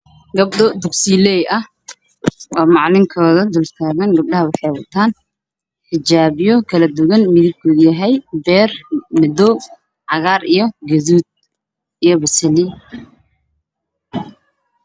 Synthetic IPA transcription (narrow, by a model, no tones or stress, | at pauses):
ɡɐb̚ɗɔd̪ʊɡsiːlɛjʔɐh | ʔɔːmɑʕlɪŋkʰɔːðɐd̪ʊlt̪ʰaːɣɐŋɡɐb̚ɗɐɦɐwɑħɑjwɑt̪ʰaːn | ħɪd͡ʒaːβɪjɔkʰɐlɐd̪ʊɣɐnmɪðɪb̚kʰuðjɐɦɛjbɛːrmɪd̪ɔ | ʕɑɣaːɾijɞɡɐðuːd̪̚ | ijɞbɐsɐli